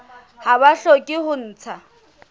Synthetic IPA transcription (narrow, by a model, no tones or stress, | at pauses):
haβaɬokʼɪhʊn̩ːt͡sʰa